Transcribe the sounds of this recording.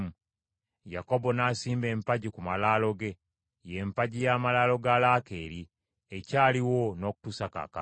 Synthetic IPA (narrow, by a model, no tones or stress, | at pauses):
mu | jako̞bo̞nasiːmbe̞ːmpaɟikumalaːlo̞ɡe̞ | jempaɟijamalaːlo̞ɡaːlaːke̞ːɾi | ecaːliwo̞no̞ːku̥tusaka̰ka